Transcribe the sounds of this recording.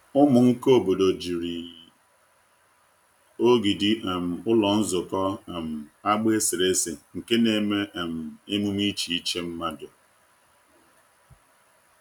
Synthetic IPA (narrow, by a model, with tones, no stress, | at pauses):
ʊ˦mʊ˨ŋ̩˦ko˦˨bo˨do˨d͡ʒi˨ɾi˨ | o˦ɡi˨di˦ʔe˨m̩˨ʊ˦lɔ˨n̩˦zʊ˨kɔ˦˨m̩˨a˦ɡ͡be˦sɪ˨ɾe˦si˨ŋ̩˨ke˦ne˨me˦ʔm̩˨e˦mu˦mi˦t͡ʃi˨i˦t͡ʃe˦m̩˦ma˦dʊ˨